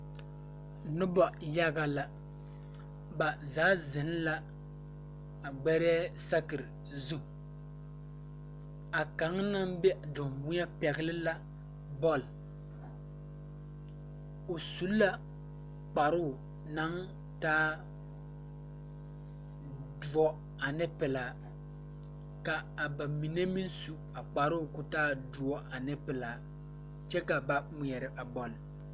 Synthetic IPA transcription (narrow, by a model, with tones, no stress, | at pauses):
nɨ˦bɔ˨ja˦ɡa˨la˨ | ba˨zaː˨˦zɨ˨n˦la˦ | a˨ɡ͡bɛ˦ɾɛ˦sa˦kɨ˨ɾɨ˨ | zu˦ | a˨ka˨˦ŋna˦m˦bɛ˦ʔdʊ˨mmu˦ɲa˦pɛ˨ɡɨ˦lɨ˦la˦ | bɔ˦˨l | o˨su˨˦lla˦ | k͡pa˨ɾʊ˦˨ | na˦ŋ | taː˦ | du˨ɔ˦ | a˨nɪ˦pɪ˨laː˨ | ka˨a˨ba˨mi˨ne˦mi˦n˦su˦ | a˨k͡pa˨ɾʊ˦˨kʊ˦taː˦du˨˦ɔ˦a˨nɪ˦pɪ˨laː˨ | t͡ʃɛ˦ka˨ba˦mʊ˨ɛ˨ɾɪ˨ʔa˨bɔ˨l